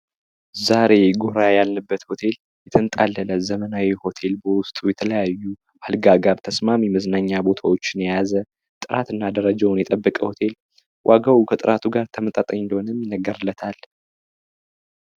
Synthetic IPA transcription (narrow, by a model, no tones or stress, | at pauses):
zaɾe̞ɡoɾajalnɨbːət̪ho̞t̪ʰe̞l | jɛt̪ʰənt̪ʼalːələzəmənawiho̞t̪ʰe̞lbəwʊst̪ʼujɛt̪ʰələjajːu | alɡaɡaɾt̪ʰəsmamiməznaɲːabo̞t̪ʰawo̞t͡ʃːɪnjjazə | t̪ʼɨɾa̰t̪ɨnːad̪əɾəd͡ʒawnjɛt̪ʼəbːəkʼəho̞t̪ʰe̞l | wʔaɡawukʰət̪ʼɨɾʔat̪ʰuɡaɾt̪ʰəmət̪ʼat̪ʼəɲɪnd̪əhonəmjɪnːəɡəɾɨlːət̪ʰal